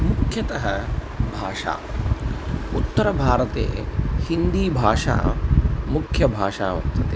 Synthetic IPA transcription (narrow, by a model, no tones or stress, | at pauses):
mukʰjɐt̪ɐɦɐ | bʱaːʂa̰ː | ut̪ːɐɾɐbʱaːɾɐt̪ḛːhind̪iːbʱaːʂa̰ːmukʰjɐbʱaːʂaːʋɐ̰st̪ɐt̪eː